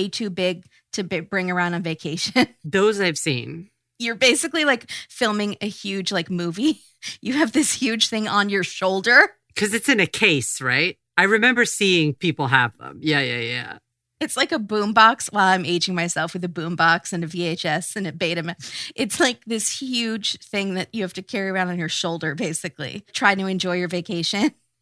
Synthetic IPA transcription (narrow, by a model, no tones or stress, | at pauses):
ɪtʰʉbɪɡ̚ | tʰɨbbɹɪ̃ŋə˞ãʊ̃ndn̩veɪkʰeɪʃɨ̃nðoʊzaɪv̥sḭ̃n | jə˞beɪsɨklilaɪkfɪlˠmɪ̃ŋɨhjʉdd͡ʒlaɪkmuvi | jɨːvðɪshjʉd̥ʒ̥θɪ̃ŋə̃njə˞ʃoʊlˠdə˞ | kʰʌzɨtsɨ̃nɨkʰeɪsɹa̰ɪt̚aɪɹɨmɛ̃mbə˞siɪ̃ŋpʰipl̩ˠɦəvðə̰̃mjæjæ̰jæ̰ | ɨtslaɪkəbũmbɑkswaɪlˠãɪ̃meɪd͡ʒɪ̃ŋmaɪsɛlˠfwɨðɨbũmbɑksɨ̃nɨvieɪt͡ʃɛsɨ̃nɨt̚b̥eɪɾɨ̃mʔɨtslaɪk̚ðɪshjʉd̥ʒ̥θɪ̃ŋðɨt͡ʃɨhæftɨkʰɛɹiɨãʊnn̩jə˞ʃoʊlˠdə˞beɪsɨklḭtʰɹ̥aɪɾɨɨ̃nd͡ʒɔɪjə˞veɪkʰeɪʃɨ̃n